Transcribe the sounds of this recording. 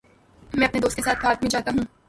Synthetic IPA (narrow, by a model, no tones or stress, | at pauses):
mɛ̃ːɐpned̪oːst̪̚kesaːt̪̚ʰbaːt̪̚bʱĩd͡ʒaːt̪aɦũː